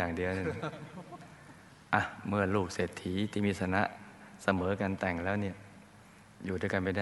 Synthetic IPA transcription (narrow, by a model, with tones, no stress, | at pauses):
aː˨˩ŋdi˧əna˧˥˩ | ʔa˧˩mɯ˧˩ənluː˨˩k̚seː˨˩t̪ʰːiː˩˦t̪ʰiː˦˧˩miː˧t̪sʰa˧na˦˥ʔsa˧mɤː˩˦ka˧nt̪ɛ˨˩ŋlɛː˦˥˩wni˥˩ɐ | juː˨˩duː˥˩˨ka˧nma˥˩jda˥˩